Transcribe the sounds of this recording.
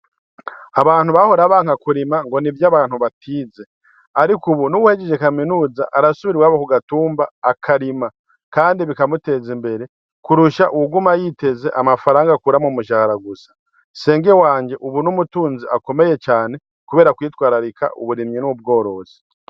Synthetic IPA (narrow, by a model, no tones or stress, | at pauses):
aβaːn̥huβaho̞ɾaβaːŋ̥akuɾimaŋɡo̞nivjaβaːn̥huβatʰiːze̞ | aɾikuβunuβuhe̞ɟeʒe̞kaminuːzaʔaɾasuβiɾwaːβokuɡatuːmbaːkʰaɾima | kaːndiβikamute̞ːzimbe̞ɾe̞ | kuɾuʃaʔuuɡumajiːte̞ze̞ʔamafaɾaːŋɡakuɾamomuʃahaɾaɡusḁ | se̞ːŋɡewaːɲɟe̞ʔuβunumutuːnziʔako̞me̞je̞t͡ʃaːne̞ | kuβe̞ːɾakwiːtwaːɾaɾikʰa̰ʔṵβuɾimɲinub̚ɡo̞ːɾo̞z̥i̥